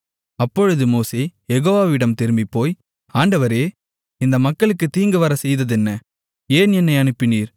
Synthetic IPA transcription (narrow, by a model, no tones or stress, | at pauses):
ɐpːɔɻɯðɯmoːseːjɛɣoːʋaːʋɪɽɐmt̪ɪɾɯmbipːoːj | aːɳɖɐʋɐɾeː | ɪnd̪ɐmɐkːɐɭɯkːɯt̪ːiːŋɡɯʋɐɾɐsɛjðɐðɛnːɐ | eːnɛnːɐɪɐnɯpːɪniːɾ